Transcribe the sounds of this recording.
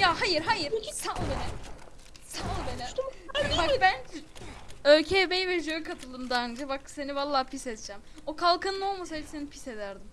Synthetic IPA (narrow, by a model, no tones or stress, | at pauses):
jahajɯɾɦajɯɾsalˠbenɛ | sanlˠbenɛbakbæn | øcʰebejvɛʒøjkʰat̪ʰɯlˠd̪ɯmd̪and͡ʒabakse̞nivalˠːaːpisɛt̪̚d͡ʒʰæm | o̞kʰalˠkʰɯnːo̞lˠmas̬aipse̞nipʰise̞d̪æɾd̪im